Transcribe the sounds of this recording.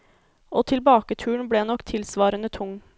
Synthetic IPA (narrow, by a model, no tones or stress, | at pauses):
ʔoːt̪ʰɪlbɑːkət̪ʰʉːɳ̩bɽeːnɔkt̪ʰɪlsʋɑːɾənət̪ʰʊŋ